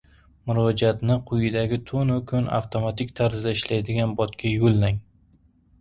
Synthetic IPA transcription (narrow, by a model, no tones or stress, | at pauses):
mʊɾɒd͡ʒat̪nɪqʰʊjɪd̪aɡʲɪt̪ʰonʊkʰʊna̰ft̪ʰomat̪ɪk̚ʲt̪ʰaɾzd̪aɪʃlajd̪ɪɡʲanbɒt̪kʲʰajolːaŋ